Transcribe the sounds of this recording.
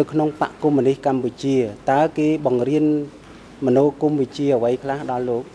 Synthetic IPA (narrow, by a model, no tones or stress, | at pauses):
nɨwkʰnoŋpa̰ʔkumːənihkamput͡ɕiət̪aəkeːɓɑŋriən | mənoːkumʋɨt͡ɕiəəʋəjkʰlahɗɑlːoːk̚